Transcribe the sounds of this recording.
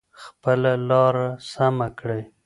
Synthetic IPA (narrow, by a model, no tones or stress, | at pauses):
xpəlalɑɾasamakɽaj